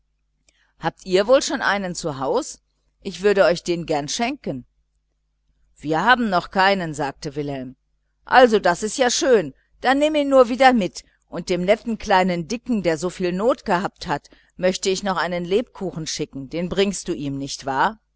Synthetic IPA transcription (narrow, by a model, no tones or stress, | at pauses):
haːp̚tʔiːɐvoːlʃoːnʔa̰ɪnənt͡suɦaʊs | ʔɪçv̥ʏɐɾəɔʏçd̥eːnɡɛɐnʃɛŋkən | v̥iːɐhaːbm̩nɔχkʰaɪnənzaːk̚təvɪlhɛlm | ʔalzodasɪstjaːʃøːn | d̥anːeːməɪnnuːɐviːdɐmɪt | ʔʊnt̚d̥eːmnɛtn̩kl̥aɪnəndɪkŋ̩deːɐzoːfiːlnoːtɡ̥əhaːp̚that | mœçtəɪçnɔχʔaɪnənleːp̚kʰuːxn̩ʃɪkŋ̩deːnbʁɪŋst̚d̥uːʔiːmnɪçtv̥aːɐ